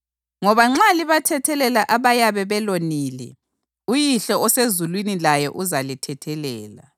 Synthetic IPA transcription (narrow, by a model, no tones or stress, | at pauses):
ŋɔβaŋ͡ǁaliβatʰɛtʰɛlɛlaʔaβajaβɛβɛloniːlɛ̰ | ujiɬɔɔsezulwinilajɛʔuzalitʰɛtʰɛlɛːla̰